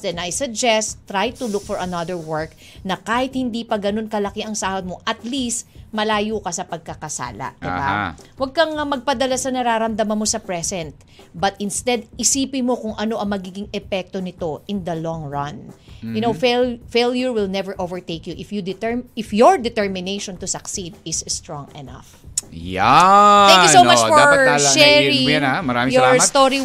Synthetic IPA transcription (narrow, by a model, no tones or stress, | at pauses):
d̪ɛnɐjsɐɡ̚d͡ʒɛst̪ːɾajt̪ʊlʊk̚fɔɹʔɐnɐðəɹwɛɹk̚ | nɐkaːhɪt̪̚hɪnd̪ipɐɡɐno̞nkɐlɐkɪʔɐŋsaːhod̪̚mo̞ʔɐt̪list̪mɐlaːjukɐsɐpɐɡ̚kɐkɐsa̰ːlɐ̰d̪̥ɪba̰wɐɡ̚kɐŋɐmɐɡ̚pɐd̪ɐlasɐnɐɾaːɾɐmd̪ɐmɐnmo̞sɐpɹɛsɛnt̪̚ | bɐt̪ɪnst̪ɛd̪ɪsiːpɪnmo̞kʊŋʔɐno̞ʔɐŋmɐɡiːɡɪŋɛpɛk̚t̪onɪt̪o̞ʔɪnd̪ɐlɔŋɹɐnjʊnowfelfeljʊɹwɪlnɛvɛɹʔovɛɹt̪ejkjʊʔɪfjud̪ɪt̪ɪfjɔɹd̪ɪt̪ɛɹmɪnejʃont̪ʊsɐksid̪ɪsst̪ɹɔ̃ŋɛna̰f | jat̪ɛ̃kjusomat͡ʃfɔɹaʃɛɹijnamɐɾaːmɪ̃jɔɹst̪oɾi